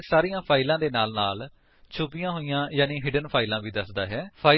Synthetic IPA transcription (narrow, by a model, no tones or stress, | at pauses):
saːɾijãːpʰaːilãːd̪eːnaːlnaːl | t͡ʃʰʊpɪjãːɦoːijãːjaːnĩːɦɪɖənpʰaːilãːʋiːd̪əsd̪aːɦɛːpʰaː